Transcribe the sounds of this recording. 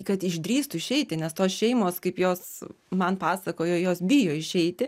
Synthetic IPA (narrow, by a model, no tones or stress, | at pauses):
kɐt̪ɪʒʲd̪ʲɾʲiːst̪ʊɪʃʲɛɪt̪ʲɪnʲɛst̪oːsʃʲɛɪmoːskɐɪpjoːs | mɐnpɑːsɐkoːjoːjoːsbʲijoːɪʃʲɛɪt̪ʲɪ